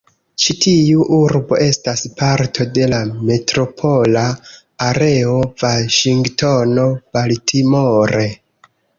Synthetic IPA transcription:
t͡ʃitʰiuʔuɾbo̞̰ʔe̞staspaɾtʰo̞de̞lame̞tɾo̞pʰo̞laː | ɾe̞ovaʃiŋɡto̞no̞b̥altʰimoɾe̞

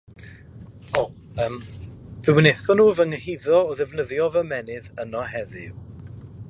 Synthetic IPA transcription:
o | əːmvɪwɪneθɔnuːvəŋəhiðɔɔðɛvnəðjɔvəmɛnɨðənɔhɛðɪ̰w

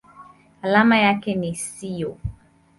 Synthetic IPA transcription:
alamajakɛnisijɔ

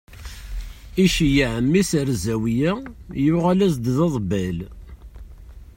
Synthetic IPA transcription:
iʃijiʕəmːisəɾzæwijæjuʁalæsd̪ðɑðˤbæl

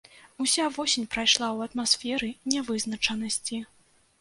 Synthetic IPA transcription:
usʲavɔsʲinʲpɾajʂlˠawɐt̪masfʲɛɾɨnʲɛvɨznɐt͡ʂɐnɐsʲt͡sʲi

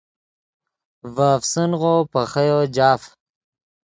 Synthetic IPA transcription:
vaːfsənʁoːpɐxɐjod͡ʑaːf

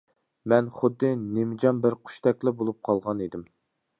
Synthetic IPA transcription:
mɛnχʊd̪ːɨnemɪd͡ʒɑmbɪɾqʰʊ̥ʃt̪ʰɛkʲlɪbolˠup̚qʰɑlˠʁɑned̪ɪm

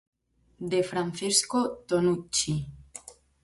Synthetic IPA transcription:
d̪efɾanθeskot̪onut͡ʃi

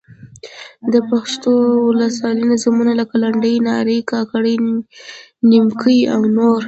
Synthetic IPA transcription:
d̪əpaxʂt̪owləswɑlinozamunalakalaɳɖəjnɑɾəjkɑkaɽəj | nimkʰəawnoɾ

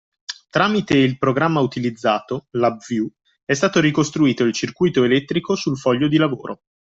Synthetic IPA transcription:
t̪ɾaːmit̪eilpɾoɡɾamːaut̪ilid̪zːaːt̪olabvju | ɛst̪aːt̪oɾikost̪ɾuiːt̪oilt͡ʃirkujt̪oelɛt̪ːɾikosulfɔʎːod̪ilavo̰ːɾʔo

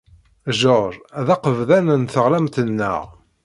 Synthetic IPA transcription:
ʒoɾæðɑqəvðænənθəʁlæmt̪ənːə̰ʁ

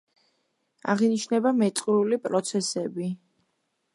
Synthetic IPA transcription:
a̰ʁiniʃnɛbamɛt̪sʼqʼɾulipʼɾɔt̪sʰɛsɛbi

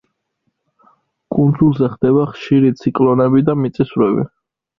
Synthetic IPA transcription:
kʼund̪zulˠzɛχd̪ɛbaχʃiɾit̪sʰikʼlˠɔnɛbid̪amit̪sʼisvɾɛbḭ

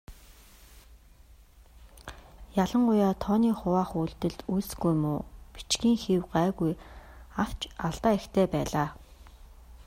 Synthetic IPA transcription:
jaɮə̆ɴɢʊjaːt̪ʰɔːniːχʊwaːχuːɮt̪ɘ̆ɮt̪usɡujmuːpi̥t͡ɕɡiːŋxiwɢaːɣujaw̥t͡ɕaɮt̪aːext̪ʰeːpæːɮaː

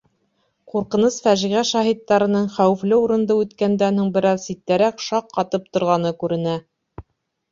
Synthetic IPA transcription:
quɾqɤ̆nɤsfæʒiʁæʃɑɦit̪ːɑɾɤ̆nɤɴχæwɘ̆flɘuɾɤ̆nd̪ɤʉt̪kænd̪ænhuɴbɘ̆ɾɑðsit̪ːæɾækʃɑqːɑt̪ɤp̚t̪ŏɾʁɑnɤkʉɾɘ̆næ

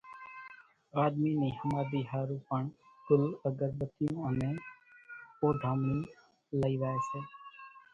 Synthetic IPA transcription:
aːd̪minĩːhəmaːd̪iːɦaːɾũːpəɳkʊləɡəɾbət̪ijũːəneː | oːɖʱaːmɽĩ | ləiːʋaeseː

